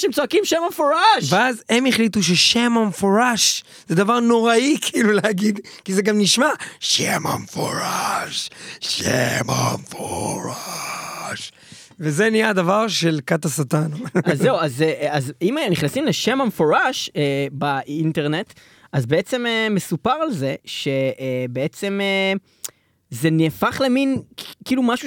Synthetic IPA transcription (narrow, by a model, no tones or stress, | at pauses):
ʃemt͡soakimʃemamfoʁaʃveazemeχlit̪uʃ̬eʃemamefoʁaʃ | zed̪avaʁno̞ʁaikʰiːluleaɡid̪ | kizeɡamniʃmaʃḛma̰mfoʁaʃʃḛma̰mfoʁa | ʃ | vezenijad̪avaʁʃelkat̪asat̪anazːeuazeazimniχnasimleʃemamfoʁaʃebaʔint̪e̞ʁne̞t̪ | ʔazbeet͡se̞memesupaʁalze̞ʃe̞be̞et͡se̞me | ze̞nefaχleminkiːlumaʃu